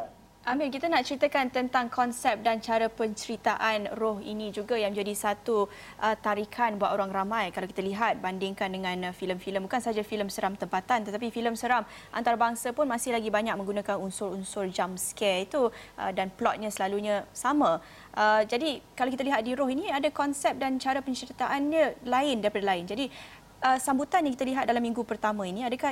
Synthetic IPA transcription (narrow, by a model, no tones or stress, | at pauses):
ʔamɪnkit̪anaʔt͡ʃəɾit̪əkant̪ənt̪aŋkʰɔnsɛp̚dant͡ʃaɾapəɲt͡ʃəɾit̪aʔanrɔhḭnĩd͡ʒuɡajaŋmə̃d͡ʒadisat̪u | ʔət̪aɾikʰanbuat̪oɾaŋɾamãjkalawkit̪aliɦat̪̚bandɪŋkandəŋãnfiləmfiləmbukansəɦad͡ʒafiləmsəɾamt̪əmpat̪ant̪ət̪apifiləmsəɾam | ʔa̰nt̪aɾabaŋsapʊnmasɪhlaɡibaɲak̚mə̃ŋɡunakanunsʊɾunsʊrd͡ʒamskɛlit̪uʔə̰danplɔt̪̚ɲãsəlaluɲãsamã | ʔəd͡ʒadikalawkit̪əliɦat̪̚diɾɔhiniadakɔnsɛp̚dant͡ʃaɾapəɲt͡ʃəɾit̪aʔanɲə̃laɪndaɾipadalaɪnd͡ʒadi | əsambut̪anjaŋkit̪aliɦat̪̚dalamːĩŋɡupərt̪amə̃inĩadakah